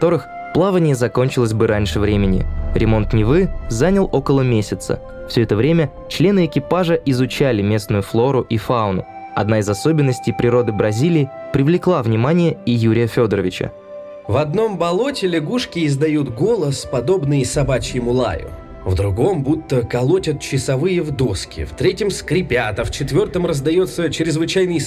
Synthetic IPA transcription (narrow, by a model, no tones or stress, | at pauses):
t̪o̞ɾɨx | plˠavənʲɪjəzɐko̞nʲt͡ɕɪlˠəsʲbɨɾʔanʲʂɨvɾʲemʲɪnʲɪ̰ɾʲɪmo̞nt̪nʲɪvɨzanʲɪlˠo̞kəlˠəmʲesʲɪt̪sə̰ | fsʲoɛt̪əvɾʲemʲə | t͡ɕlʲe̞nɨɪkʲɪpaʐəʔɪzʊt͡ɕalʲɪmʲe̞snʊjʊflˠo̞ɾʊʔifaʊnʊ̰ | ɐ̰d̪naɪzɐso̞bʲɪnːəsʲtʲɪjpɾʲɪɾo̞d̪ɨbɾɐzʲilʲɪːpɾʲɪvlʲɪklˠavnʲɪmanʲɪjəɪjuɾʲɪjəfʲo̞d̪əɾə̰vʲɪt͡ɕə̰ | vɐd̪̚no̞mbɐlˠo̞tʲɪlʲɪɡuʂkʲɪːzd̪ɐjut̪ɡo̞lˠəspɐd̪o̞bnɨjsɐbat͡ɕjɪmʊlˠa̰jʊ̰ | vd̪ɾʊɡo̞mbut̪ːəkɐlˠotʲət̪̚t͡ɕɪsɐvɨjəvd̪o̞skʲɪ̰ft̪ɾʲetʲɪmskɾʲɪpʲat̪əft͡ɕɪt̪vʲo̞rt̪əmrəzd̪ɐjot̪sːət͡ɕɾʲɪzvɨt͡ɕajnɨj